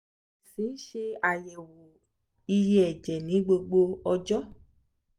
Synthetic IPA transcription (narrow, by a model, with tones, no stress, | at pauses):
si˨˦n̩˦ʃe˧a˨jɛ˨wo˨ | i˧je˦ɛ˨d͡ʒɛ˨nĩ˨˦ɡ͡bo˧ɡ͡bo˧ɔ˧d͡ʒɔ˦